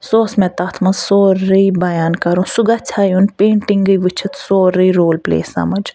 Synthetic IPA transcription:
soːsmɛ̃t̪aːt̪ʰmɐsoːɾəibɐjaːnkɐɾusuɡat͡ʃʰaːjunpẽːɳʈĩŋɡəjʋɨt͡ʃʰit̪soːɾəiɾoːlplḛːsɐ̰mɐd͡ʒ

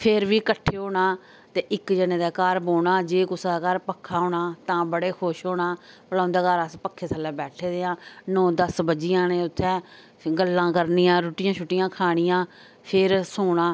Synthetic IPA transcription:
pʰɪɾʋiːkəʈʰːeːɦoːɳaː | t̪eːʔɪkd͡ʒənẽːd̪aːkaːɾboːɽaːd͡ʒeːkʊsd̪aːkaːɾpəkʰːaːɦoːɳaːt̪ãːbəɽeːkʰoːʃɦoːɽaː | pəlãːnd̪aːkəɾəspəkʰːeːsʰəlːaːbɛːʈʰeːd̪eːãːnõːd̪əsbəd͡ʒijãːnẽːʊt̪ʰːɛː | ɡəlːãːkəɾnijãːɾoːʈɪjãːt͡ʃʰʊʈːɪjãːkʰaːɽ̃ɪjãː | pʰɪɾsoːɳaː

